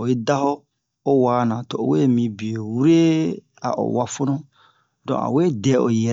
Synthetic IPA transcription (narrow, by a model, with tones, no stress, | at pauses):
o˨ji˦da˦ho˦ | o˦waː˨˦nã˨to˨o˨we˦˨mĩ˨bi˨o˨wu˦ɾe˦ | a̰˨ʔo̰˨wa˦fo˦nõ˦ | dɔ̰̃˨a̰˨we˦dɛ˨˦o˨jɛ˨